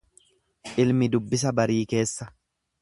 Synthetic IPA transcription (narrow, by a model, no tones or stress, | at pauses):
ʔɪlmɪd̪ʊbːɪs̬ɐbɐɾiːke̞ːsːɐ